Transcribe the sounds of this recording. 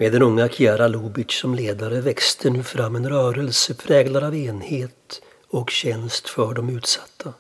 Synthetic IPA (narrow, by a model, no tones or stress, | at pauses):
meːd̪ɛnɵŋːakʰɪæɾaluːbɪsɔmleːd̪aɾəvɛkst̪ʰənʉ̟ːfɾamːɛnɾœːɾəlsəpʰɾɛːɡlaɾaveːnheːt̪ | ɔkɕɛnst̪fœɖɔmʉ̟ːt̪sḁt̪ʰːa